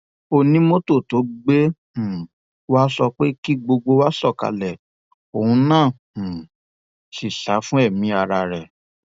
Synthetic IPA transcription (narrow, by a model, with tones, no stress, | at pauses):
o˧nĩ˨˦mo˦to˦˨to˨˦ɡ͡bẽ˦˨˦ | wa˦sɔ˧k͡pe˦ki˦ɡ͡bo˧ɡ͡bo˧wa˦sɔ˦˨ka̰˧lɛ˨ | o˨hũ˧nãː˦˨ | ʃi˨ʃa˨˦fũ˦ɛ˦˨mĩ˧˦a˧ɾa˧ɾɛ˨